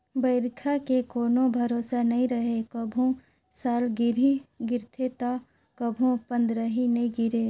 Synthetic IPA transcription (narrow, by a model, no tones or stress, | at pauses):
bəɪɾkʰakekoːnobʱɐɾoːsanɐɦĩɾɐɦekəbʱõ | saːlɡɪɾiɡɪɾt̪ʰet̪a | kɐbʱõpɐ̃nd̪ɾəɦinɐɦĩɡɪɾe